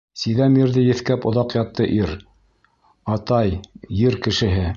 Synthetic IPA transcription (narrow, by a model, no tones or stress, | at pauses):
siðæmiɾðɘjɘ̆θkæpŏðɑqjɑt̪ːɤʔiɾ | ɑt̪ɑjjɘɾkɘ̆ʃɘ̆ɦɘ